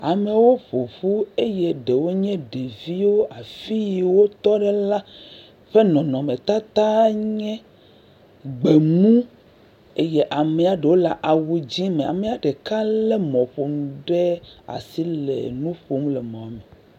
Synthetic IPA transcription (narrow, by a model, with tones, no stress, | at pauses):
a˨me˨wo˦ɸo˨vu˦e˦je˦ɖe˨wo˦ɲɛ̃˦ɖe˨vi˦wo˦ʔa˨fi˦ji˨wo˦t̪ɔ˦ɖɛ˦la˦ | ɸe˦nɔ̃˨nɔ̃˨mẽ˨t̪a˦t̪a˦ɲɛ̃˦ | ɡ͡be˨mũ˦ | e˦jɛ˦ʔa˨mɛ˨a˨ɖe˨wo˦la˨ʔa˨wu˨d͡ʑi˦mẽ˨a̰˨me˨a˨ɖe˨ka˦lɛ˦mɔ̃˨ɸo˨m˦ɖɛ˦a̰˨si˦lɛ̰˨nũ˦ɸo˨m˦lɛ˨mɔ̃˨a˨mɛ˨